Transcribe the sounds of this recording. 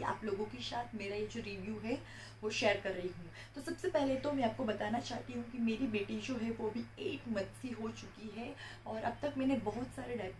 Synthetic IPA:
a̰ːploːɡõkiʃaːt̪ʰmeːɾajed͡ʒoːɾiːʋjuːɦɛ | ʋoʃɛːəɾkɐɾːɐɦiɦũː | t̪osɐbsepɛɦlet̪omɛ̃aːp̚kobɐt̪aːnat͡ʃaːɦt̪iɦũkimeːɾibeːʈid͡ʒoːɦɛʋoɐbʱieːʈmɐt̪siɦot͡ʃʊkiɦɛɔːɾɐb̚t̪ɐkmɛːnebɐɦʊt̪saːɾeɖɛːp

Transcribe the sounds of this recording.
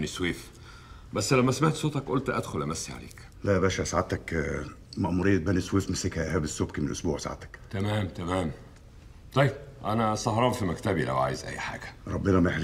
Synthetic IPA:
nisweːf | bæsːlæmːæsæmaħt̪soːt̪ˤɑkʔolt̪ʔæd̪xolʔæmæsːiʕa̰lḛːk | læbæːʃæsaʕat̪ːæk | mæʔmuɾejːæt̪̚bæniswiːfmæsːekhæʔæhæːbesːobkimenʔosbuːʕsaʕa̰t̪æ̥kt̪æmæːmt̪æmæːm | t̪ˤɑjːeb̚ʔænæsˤɑhɾˤɑːnfimækt̪æbilæ̰wʕa̰ːjezʔæ̰jːħa̰ːɡ̥æ̥ɾˤɑbːenæmæeħl

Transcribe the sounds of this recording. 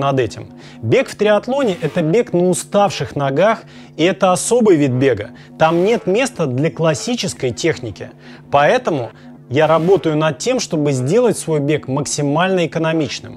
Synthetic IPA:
nɐd̪ɛtʲɪm | bʲe̞kft̪ɾʲɪɐt̪lˠo̞nʲɪʔɛt̪əbʲe̞knəʊst̪afʂɨxnɐɡax | iɛt̪əɐso̞bɨjvʲid̪̚bʲe̞ɡə | t̪amnʲe̞t̪mʲe̞st̪əd̪lʲɐklˠɐsʲit͡ɕɪskəjtʲe̞xnʲɪkʲɪ̰ | pɐɛt̪əmʊ | jaɾɐbo̞t̪əjʊnɐt̪̚tʲːe̞mʂt̪o̞bɨzʲdʲe̞lˠətʲsvo̞jbʲe̞kməksʲɪmalʲnəɪkənɐmʲit͡ɕnɨ̰m

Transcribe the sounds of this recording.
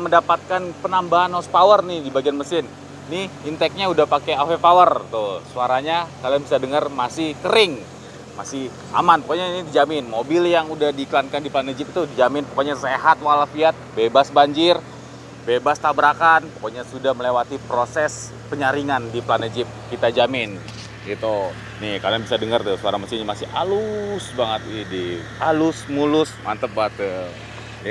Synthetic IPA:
məndapat̪̚kanpənambaɦanhospawərnɪhdibaɡianməsɪnː | ɪhint̪ɛk̚ɲaudahpakeafepawərt̪ʊsuaɾaɲakaljaŋbisadəŋərmasɪhkəɾɪŋ | masɪh | a̰manpokoɲainidid͡ʒamɪnmobɪljaŋudahdikəlankandiplanəd͡ʒɪpit̪udid͡ʒamɪnpəkoɲaseɦat̪̚walafiat̪̚bebasbaɲd͡ʒɪr | bebast̪abɾakanpokoɲasudahməlewat̪ipɾosɛs | pəɲaɾiŋandipəlanəd͡ʒɪp̚kit̪ad͡ʒamɪn | ɡit̪u | nɪhkaaŋbisadəŋərt̪suaɾamat͡ʃɪɲamasɪha̰lusbaŋət̪̚idi | alʊsmulʊsma̰nt̪əp̚bat̪

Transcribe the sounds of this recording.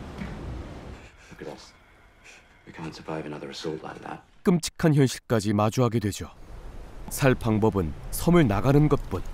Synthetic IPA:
ɡ̥ɾɔs | wikʰæ̃ntsəvaɪvənʌðə˞ɨsɔlˠʔla̰ɪk̚ðæ̰t̚k͈ɯmt͡ɕʰi̥kʰançjʌnɕʰi̥ɭk͈ad͡ʑimad͡ʑuɦaɡe̞dwe̞d͡ʑo | sʰaɭpʰaŋbʌbɯnsʰʌmɯɭnaɡanɯnɡʌt̚p͈un

